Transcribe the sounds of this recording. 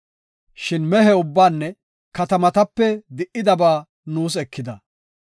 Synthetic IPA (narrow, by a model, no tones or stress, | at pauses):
ʃɪnmɛɦɛʊbːaːnːɛ | kɐt̪ɐmɐt̪ɐpːɛd̪ɪʔɪd̪ɐbaː | nuːs̬ɛkːɪd̪ɐ